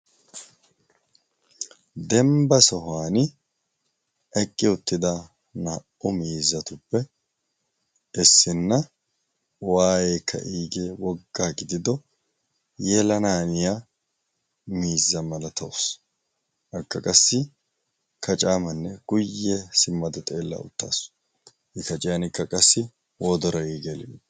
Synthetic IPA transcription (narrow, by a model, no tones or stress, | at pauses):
d̪ɛmbɐsɔɦaːnɪ | ɛkʼːɪʊt̪ːɪd̪a | nɐʔʊmiːzːɐt̪ʊpːɛ | ʔɛsːɪnːɐ | waːjeːkʰːɐ̰ʔiːɡeːwɔɡːaːɡɪd̪ɪd̪ɔ | jɛlɐnaːnɪja | miːzːɐmɐlɐt̪ʰɐws | ʔɐkːɐkʼɐsːɪ | kʰɐt͡ʃʼaːmɐnːɛɡ̥ʊjːɛsɪmːɐd̪ɔt̪ʼeːlːɐ̰ʊ̰t̪ːa̰ːs | hɪkɐt͡ʃʼɪjanɪkːɐkʼɐsːɪ | wɔd̪ɔɾɔiːɡelɪ̰jt̪